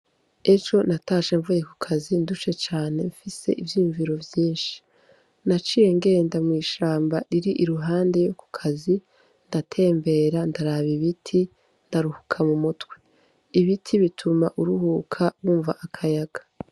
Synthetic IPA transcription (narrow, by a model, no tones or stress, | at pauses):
e̞t͡ʃo̞nataːʃe̞ɱvujeku̥kʰazindut͡ʃe̞t͡ʃaːne̞ɱfise̞̰ʔivjiːuɱviɾo̞vjiːnʃi̥ | nat͡ʃije̞ŋɡe̞ːndamŋiːʃaːmbaɾiɾiʔiɾuɦaːnde̞jo̞ku̥kʰazi | ndatʰe̞ːmbe̞ɾandaɾaβiβitʰi | ndaɾuhu̥kʰamumutwe̞ | iβitʰiβitʰumaʔuɾuhuːkʰaβuːɱva̰ʔakʰajaɡ̥ḁ